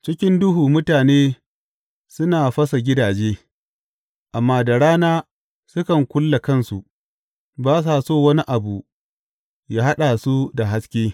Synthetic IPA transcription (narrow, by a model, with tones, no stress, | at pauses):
t͡ʃɪ˦kʲɪ˦ndʊ˦ɦuː˨mʊ˦taː˨neː˦ | sʊ˦naː˨ɸɐ˦sa˨ɡʲɪ˦daː˨d͡ʒeː˦ | ʔa˨mːaː˦da˨ɾaː˦naː˦ | sʊ˦kɐ˨ŋkʷʊ˦lːa˨kɐ˦˨nsu˨ʔ | baː˦s̬aː˨soː˦˨wɐ˦ni˦ʔa˨bu˨ | jaː˦ɦa˦ɗa˨su˦da˨ɦa˦skʲeː˦